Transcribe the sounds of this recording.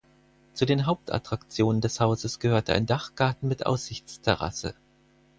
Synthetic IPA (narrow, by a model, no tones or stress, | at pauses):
t͡sudeːnɦaʊp̚tʰa̰tʁ̥akt͡sjoːnəndɛshaʊzəsɡ̥əhøːɐtʰəʔa̰ɪndaχɡ̥aɐtn̩mɪtʔa̰ʊsz̥ɪçt͡stʰɛʁ̞a̰sə̰